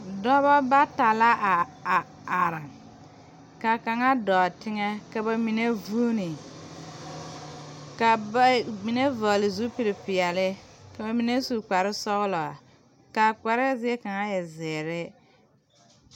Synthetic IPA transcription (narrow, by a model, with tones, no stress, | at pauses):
dɔ˦ba˦ba˦ta˨la˦ʔa˨a˨ | a˨ɾa˨ŋ | ka˨ka˨ŋa˦dɔː˨tɪ˦ŋɛ˦ka˨ba˨mi˨ne˦vuː˦ni˨ | ka˨ba˦mi˨ne˦vɔ˨lɪ˨zu˦pi˦ɾɪ˨pɪ˨ɛ˨lɪ˦ka˨ba˨mi˨ne˦su˨k͡pa˨ɾɪ˦sɔ˦ɣlɔ˨a̰˨ | ka˨k͡pa˨ɾɪ˦zɪ˦ɛ˦ka˨ŋa˦jɛ˨zɪː˨ɾɪ˦